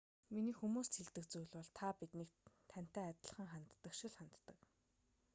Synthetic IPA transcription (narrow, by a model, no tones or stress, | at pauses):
miniːxumuːst̪ʰeɮt̪ɘ̆k̚t͡sujɮwɔɮt̪ʰapit̪nekt̪ʰæn̥t̪æːat̪̆ɮə̆χə̆ŋχant̪ːə̆kʃɪ̆ɮχant̪ːə̆k